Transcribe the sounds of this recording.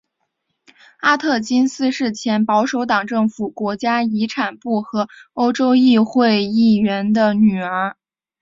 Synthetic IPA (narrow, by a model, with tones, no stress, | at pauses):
a˥t̪ʰɤ˥˩t͡ɕi˥nsɹ̩˥ʂɻ̩˥˩t͡ɕʰjɛ˧˥npɑ˧˥ʊʂo˧˥ʊt̪ɑ˨˩ŋʈ͡ʂɤ˥˩ŋfu˨˩kwɔ˧˥t͡ɕja˥i˧˥ʈ͡ʂʰa˨˩npu˥˩xɤ˧˥o˥ʊʈ͡ʂo˥ʊi˥˧xwe˥˧ɪi˥˩ɥɛ˧˥nd̪ə˧ny˨˩ə˞˧˥